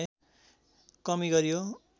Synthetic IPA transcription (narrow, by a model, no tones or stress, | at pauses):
kʌmiɡʌɾijo